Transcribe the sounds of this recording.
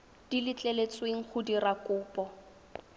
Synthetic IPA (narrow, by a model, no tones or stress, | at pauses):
d̥ilɪt͡ɬʼɛlet͡sʼweŋ̩χʊdirakʼʊːpʼɔ